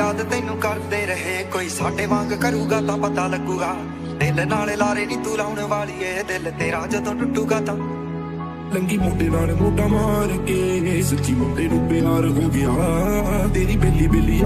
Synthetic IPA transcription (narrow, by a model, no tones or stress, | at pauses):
aːd̪t̪ɪːnũːkəɾd̪eːɾəɦeːkoːiːsaːɖeːʋãːŋɡkəɾuːɡaːt̪ãːpət̪aːləɡuːɡaː | d̪ɪlnaːleːlaːɾeːniːt̪uːlaːʊɳeːʋaːɭiːeːd̪ɪlt̪eːɾaːd͡ʒaːt̪õːʈʊʈːuːɡaːt̪ãː | ləŋɡiːmoːɖeːnaːlemoːɖaːmaːɾkeːsət͡ʃiːmõːɖeːɾuːpeːnaːlɦoːɡɪjaːt̪eːɾiːbeːlːiːbeːliː